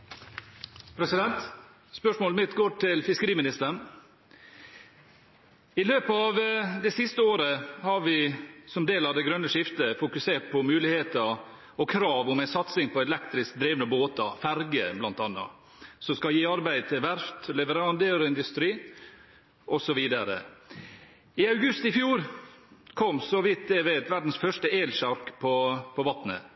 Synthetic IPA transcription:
pʰɾɛsɪd̪ɛnt̪ | spœʂmoːlmɪt̪ɡoːʈʰɪlfɪskəɾiːmɪnɪst̪əɳ | ɪløːpɑʋd̪ɛɪsɪst̪əoːɾəhɑɾʋɪsɔmd̪eːlɑʋd̪ɛɡɾœnːəʂɪft̪əfʊkʉseːʈ̚pʰɔmʉːlɪheːt̪ə | ɔkʰɾɑːʋɔmæɪsɑt̪sɪŋpʰɔɛlɛkt̪ɾɪsk̚d̪ɾeːʋnəboːt̪ɑ̰fæɾɡəblɑnt̪ɑnːɑ̰ | sɔskɑjiːɑɾbæɪd̪̚t̪ʰɪlʋæɾft̪lɛʋəɾɑnd̪əɾɪnd̪ʉst̪ɾiː | ʔɔsɔʋiːd̪ɑɾə̰ | ɪɑʉɡʉst̪ɪfjuːɾ | kʰɔmːsɔʋɪt̪̚d̪ɛʋæɪt̪ʋæɖn̩sfœʂʈəeːlʃɑɾkpʰɔpʰɔʋɑt̪nə̰

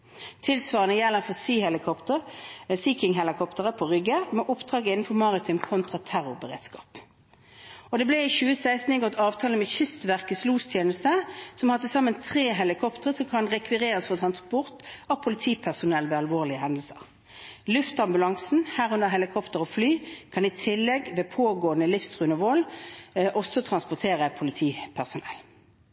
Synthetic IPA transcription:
t̪ʰɪlsʋɑːʁənəjɛlːəʁfɔsiːhɛlɪkʰɔpt̪əʁsiːkɪŋɦɛlɪkʰɔpt̪əʁəpʰɔʁʏɡəmɛʔʊpd̪ʁɑːɡəɪnn̩fɔʁmɑʁɪt̪ʰʏmkʰɔnt̪ʁɑt̪ʰæʁʊbəʁḛːd̪skɑ̰ːp | ɔd̪ɛblɛɪçʉːəsæɪst̪n̩ɪɡɔt̪ːɑːʋt̪ʰɑːləmɛçʏst̪ʋæʁkəsluːst̪ʰjeːnəst̪əsɔmhɑt̪ʰɪlsɑmːənt̪ʰʁeːɦɛlɪkʰɔpt̪əʁəsɔmkʰɑnʁɛkʰʋɪʁeːʁəsfɔʁt̪ʰʁɑnspʊʁt̪ɑʋpʰʊlɪt̪ʰiːpʰæʁsʊnɛlːʋɛːɑlʋoːʁlɪəɦɛnd̪l̩səʁ | lʉft̪ɑmbʉlɑŋsn̩hæːʁʉnəʁɦɛlɪkʰɔpt̪əʁɔflyːkʰɑnɪt̪ʰɪlːɛɡʋeːpʰoːɡoːənəlɪfst̪ʁʉːnəʋoːlʔɔsːɔt̪ʰʁɑnspɔʁt̪ʰeːʁəpʰʊlɪt̪ʰiːpʰæʁsʊnɛ̰l

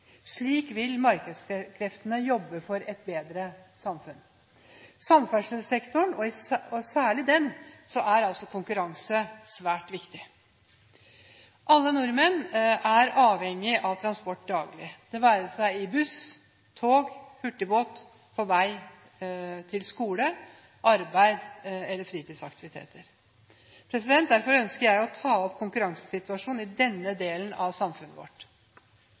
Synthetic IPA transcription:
ʂɭiːkʋɪlmɑɾkəskʰɾɛft̪ənəjɔbːəfɔɾɛt̪beːd̪ɾəsɑmfʉn | sɑmfæʂəlsɛkt̪ʊɳɔɪsæːɭɪd̪ɛnsɔʔæɾɑlt̪sɔkʰʊŋkʉɾɑŋsəsʋæːʈʋɪkt̪ɪ | ʔɑlːənʊɾmənæɾɑːʋhɛŋːɪʔɑʋt̪ʰɾɑnspɔʈːd̪ɑːɡlɪd̪̥ɛʋæːɾəsæɪɪbʉs | t̪ʰoːɡhʉʈːəboːt̪ | fɔɾʋæɪ | t̪ʰɪlskuːlə | ʔɑɾbæɪd̪ɛlːəɾfɾiːt̪ʰiːd̪sɑkt̪ɪʋɪt̪ʰḛːt̪ʰəɾ | pʰɾɛsɪd̪ɛnt̪̚d̪æɾfɔɾœnskəɾjæɪɔt̪ʰɑːɔpkʰʊŋkʉɾɑŋsə̥sɪt̪ʉɑʂuːnɪd̪ɛnːəd̪eːlənɑʋsɑmfʉnːəʋɔ̰ʈ

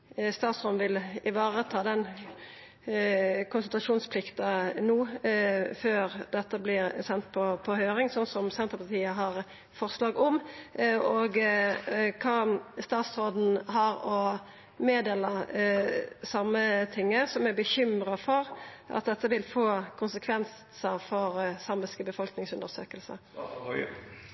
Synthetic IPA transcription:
st̪ɑːt̪sʁoːd̪n̩ʋɪlɪʋɑːʁət̪ʰɑːd̪ɛn | kʰʊnsənt̪ʁɑʂuːnspʰlɪkt̪ɑnuː | føːʁd̪ɛt̪ːəblɪʁsɛnt̪̚pʰɔpʰɔhøːɾɪŋsɔnsɔmsɛnt̪ʁəpɑʁt̪ʰiːəɦɑʁ | fɔʁslɑːɡɔm | ɔɡ | kʰɑːst̪ɑːt̪sɾoːd̪n̩ɦɑɾɔ | meːd̪eːlə | sɑmːət̪ʰɪŋːəsɔmæbəçʏmɾɑfɔʁʔɑ̰t̪̚d̪ɛt̪ːəʋɪlfoːkʰʊnsəkʰʋɛns | səɾfɔʁsɑməskəbəfɔlknɪŋsʉnd̪əɾsøːkəlsə̰

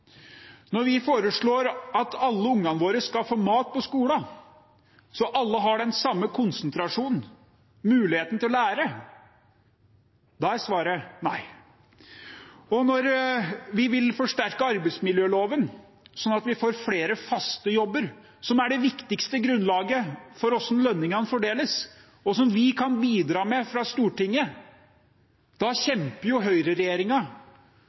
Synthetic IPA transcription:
nɔɾʋɪfoːɾəʂɭoːɾɑt̪ʰɑlːəʊŋːɑnʋoːɾəskɑfoːmɑːt̪̚pɔskuːlɑ | sɔʔɑlːəɦɑɖɛnsɑmːəkʰʊnsnt̪ʰɾɑʂuːnn̩ | mʉːlɪheːt̪n̩t̪ʰɪlɔlæːɾə | d̪ɑæsʋɑːɾənæɪ | ɔnɔɾʋɪʋɪlfɔʂʈæɾkəɑɾbɛɪt̪smɪljøːloːʋən | sɔnːɑt̪ʋɪfoːɾfleːɾəfɑst̪əjɔbːəɾ | sɔmæɖɛʋɪkt̪ɪkst̪əɡɾʉnlɑːɡəfɔɾɔsnlœnːɪŋɑnəfɔɖeːləs | ɔsɔmʋɪkʰɑnbiːd̪ɾɑːmɛfɾɑst̪uːʈɪŋːə | d̪̥ɑɕɛmpəɾjʊɦœʏɾəɾɛjeːɾɪŋɑ

